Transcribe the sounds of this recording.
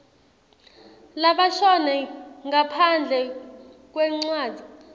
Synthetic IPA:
laɓaʃɔnɛŋɡapʰand͡ɮʱɛ | k̬ʼwɛŋ͡ǀwaːd͡z̥ʱi

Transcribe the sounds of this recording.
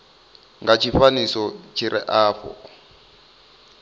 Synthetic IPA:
ŋɡat͡ʃʰifanisɔt͡ʃʰiɾʔɛ̰ʔaːfɔ̰

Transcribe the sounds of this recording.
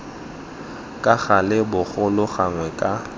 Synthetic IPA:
kʼaɣalɪbʊɣʊlʊɣaŋwɛkʼa

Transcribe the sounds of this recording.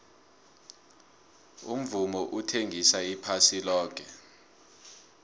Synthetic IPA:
ṵm̩vumɔʔutʰeŋʱisaipʰasilɔːk̬ʼɛ

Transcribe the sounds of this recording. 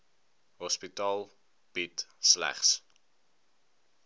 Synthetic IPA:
ɦɔspitɑːlˠ | b̥itslæ̰χs

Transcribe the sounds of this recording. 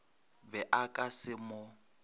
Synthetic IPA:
bɛʔakʼasɪmʊ

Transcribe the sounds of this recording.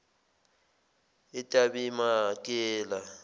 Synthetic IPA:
ɪtʼabimakʼɛːla

